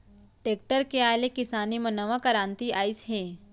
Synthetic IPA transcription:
ʈeːk̚ʈəɾkeaːjlekɪsaːnimɐ̃nɐʋakɐɾant̪iaːisɦe

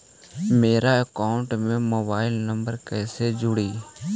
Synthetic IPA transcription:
meːɾaːəkaːʊɳʈmẽːmoːbaːɪlnəmbəɾkɛːseːd͡ʒʊɽiː

